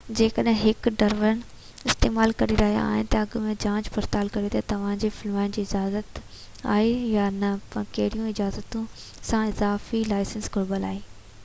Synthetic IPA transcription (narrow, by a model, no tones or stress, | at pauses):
d͡ʑeːkəɗɦɪ̃ɦɪkɖɐɾʋəɾən | ɪst̪eːmaːlkɐɾiɾɐɦija̰ːɦɪnɪ̆t̪ɐɐɡmẽd͡ʑãːd͡ʑbɐɾt̪aːlkɐɾet̪ɐt̪ɐʋ̤ãːd͡ʑefɪlmaːɪnd͡ʑiːɪd͡ʑaːzət̪ | a̰ːɦejanɐpɐkɐɦɪɾijũɪd͡ʑaːzət̪ũ | sãɪzaːfilaːɪsənsɡʱʊɽbəla̰ːɦeː